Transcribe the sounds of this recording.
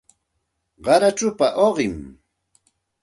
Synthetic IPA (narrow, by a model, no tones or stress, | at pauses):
ɢɑɾaʈ͡ʂʊpaʔoɢɪm